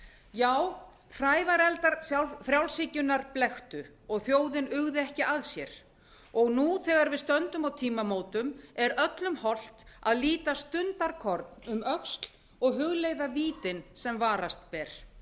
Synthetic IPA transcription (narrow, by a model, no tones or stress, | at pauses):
jaːw | fɾaːjvaɾɛlt̪aɾsjawfɾjawlsɪcʏnaɾplɛxt̪ʏ | ɔɣθjoːwðɪnʏɣðɪɛhcɪaðsjɛɾ̥ | ɔɣnuθɛːɣaɾvɪðst̪œnt̪ʏmawt̪ʰiːmamoːwt̪ʏmɛɾœt̪lʏmhɔl̥t̪aðliːt̪ast̪ʏnt̪aɾkʰɔɾt̪nʏmœkst̪l | ɔɣɦʏɣleːjðaviːt̪ɪnsɛmvaːɾast̪pɛɾ̥